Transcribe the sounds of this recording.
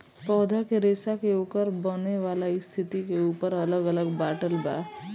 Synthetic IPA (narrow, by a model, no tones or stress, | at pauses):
pɔːd̪ʱakeɾeːsakeoːkəɾbəneʋalaist̪ʰit̪ikeuːpəɾələɡələɡbaʈəlba̰